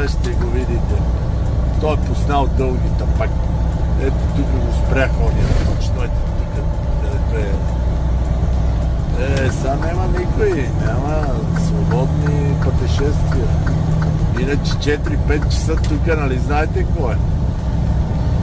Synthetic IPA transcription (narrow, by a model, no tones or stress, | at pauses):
aʃt̪ɛɡovid̪it̪ɛ | t̪ɔɛposnalˠd̪ɤlˠɡit̪əpak | ɛt̪ot̪ukəɡospɾʲaxɔd̪ʲinɐt̪ɔt͡ʃɛ̥t̪ɔjɛt̪t̪ukə | d̪aɾɛt̪oɛ | ɛsanɛmənikoinʲamə | svobɔd̪nipɐt̪ɛʃɛst̪viɐ | inət͡ʃɛ̥t͡ʃɛt̪ɾipɛt̪̚t͡ʃɐ̥sət̪ukənɐliznaɛt̪ɛkɔɛ